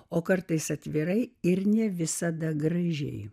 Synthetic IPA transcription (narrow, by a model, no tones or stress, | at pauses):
oːkɐɾt̪ɐɪsɐt̪ʲʋʲɪɾɐɪɪɾnʲɛʋʲɪsɐd̪ɐɡɾɐʒʲɛ̰ɪ